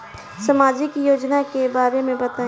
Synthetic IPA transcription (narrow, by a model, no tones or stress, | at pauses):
sɐmaːd͡ʒɪkjoːd͡ʒnakebaːɾemẽbɐt̪aː